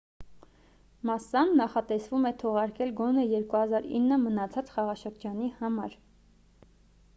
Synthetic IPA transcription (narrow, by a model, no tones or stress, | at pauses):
mɑsɑnːɑχɑt̪ɛsvumɛt̪ʰɔʁɑɾkɛlɡɔnɛjɛɾkuhɑzɑɾḭnːəmənɑt͡sʰɑt͡sχɑʁɑʃəɾd͡ʒɑnihɑmɑɾ